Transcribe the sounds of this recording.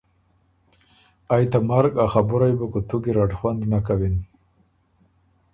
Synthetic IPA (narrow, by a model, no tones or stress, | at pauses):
ajt̪amaɾɡaxabʊɾajbakut̪uɡiɾaʈxwand̪nakawin